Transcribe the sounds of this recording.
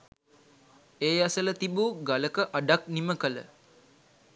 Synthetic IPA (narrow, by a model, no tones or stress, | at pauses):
eːjasələt̪ibuɡaləkəʔaɖak̚niməkələ̰